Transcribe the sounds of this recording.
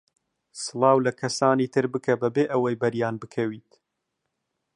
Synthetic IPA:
sɨlˠɑːwlɐkʰɐsaːniːt̪ʰɨɾbɨkʰɐbɐbeːʔɐwɐjbɐɾjaːnbɨkʰɐwiːt̪

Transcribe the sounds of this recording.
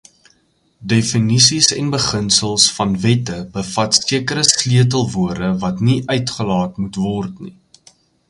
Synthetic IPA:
definisisɛnbəχənsəlˠsfɐnvɛtəbəfɐtsiəkəɾəsliət̬əlˠvuərdəvɐtniʔœɥtχəlɑːtmutvɔrtnḭ

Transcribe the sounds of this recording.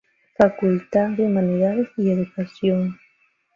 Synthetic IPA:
fakʊlt̪aðemaneɾaðesieðukasjoŋ

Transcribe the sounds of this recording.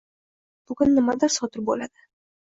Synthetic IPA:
b̥ʊɡʊnːɪmad̪ɪɾsɒt̪ɪɾbolad̪ɪ

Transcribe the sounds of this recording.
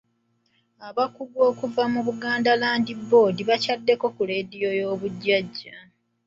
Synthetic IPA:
aβakuβwo̞ːkuvamuβuɡaːndalaːndibːo̞ːdiβacadːe̞ko̞kule̞ːdijo̞jo̞ːβuɟːaɟːa

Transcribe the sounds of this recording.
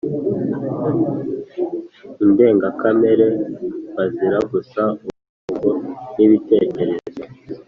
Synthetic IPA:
inde̞ːŋɡakame̞ɾe̞βaziɾaɡusauβu | uɡoniβite̞ːce̞ɾe̞zo

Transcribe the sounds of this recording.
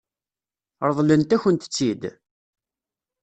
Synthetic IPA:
ɾˤəðˤlənt̪æçənt̪ə̥t͡sːid̪

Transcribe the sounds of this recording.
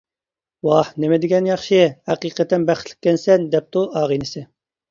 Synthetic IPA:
wɑhnemɪd̪ɪɡʲɛnjɑχʃɨhæqiːqət̪ːɛnbæχt̪ʰlɪ̥kʲːɛnsɛnd̪ɛp̚t̪uʔɑːʁinɪsɪ

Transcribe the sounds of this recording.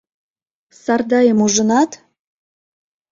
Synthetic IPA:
sɑrd̪ɑjəmuʒənɑt̪

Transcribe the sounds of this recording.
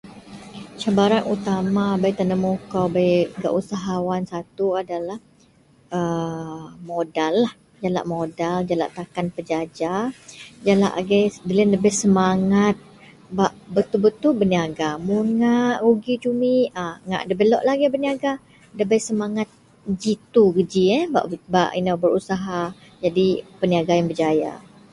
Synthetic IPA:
t͡ʃabaɾanut̪amabajt̪anəmukawbajɡa̰ʔusaɦawansat̪uadalah | ə | modalːah | d͡ʒala̰ʔmodald͡ʒala̰ʔt̪akanpəd͡ʒad͡ʒa | d͡ʒala̰ʔɡɛdələnləbɪhsəmaŋat̪̚ | baʔbət̪ulbət̪ulbəniaɡamunŋaʔɾuɡid͡ʒumiəŋa̰ʔdəbəlɔʔlaɡɛbəniaɡa | ləbɛjsəmaŋat̪̚ | d͡ʒit̪uɡəd͡ʒiɛba̰ʔba̰ʔinawbəɾusaɦa | d͡ʒadipəniaɡajaŋbəd͡ʒaja̰

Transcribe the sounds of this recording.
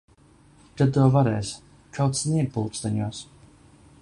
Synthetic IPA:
d̥ad̪ɔːvaɾɛːs | kʰawt̪snʲiɛɡ̚pulˠt̪st̪aɲuːs

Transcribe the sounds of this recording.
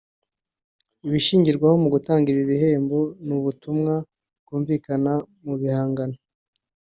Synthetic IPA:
iβiʃiːɲɟiɾɡwaho̞muɡutaːŋɡiɾiβihe̞ːmbonuβutumŋa | kuːɱviːkana | muβihaːŋɡano

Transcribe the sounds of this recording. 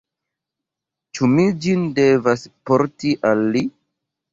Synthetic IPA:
t͡ʃumid͡ʒindevaspoɾtiʔalːi

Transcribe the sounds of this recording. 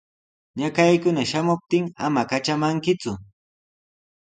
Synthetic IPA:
ɲakajkʊnaʃamʊp̚t̪ɪŋamakat͡ʃamaŋkɪt͡sʊ

